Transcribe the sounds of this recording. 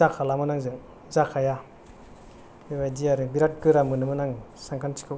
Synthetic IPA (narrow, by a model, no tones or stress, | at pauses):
akʰalamɯnaŋzɯŋ | zakʰaja | bibajdiaɾɯbiɾat̚ɡɯɾamɯnɯmɯnaŋ | saŋkʰantʰi̥kʰɯ